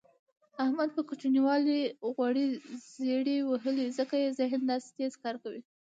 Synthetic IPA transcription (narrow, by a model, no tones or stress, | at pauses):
ahmad̪̚pəkut͡ʃniwɑliɣwaɽizeɽiwaɦəlizəkajezɪɦnd̪ɑse̥t̪ezkɑɾkawi